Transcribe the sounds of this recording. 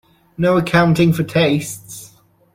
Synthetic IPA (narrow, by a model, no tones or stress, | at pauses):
noʊəkʰãʊ̃ntɪ̃ŋfətʰeɪsts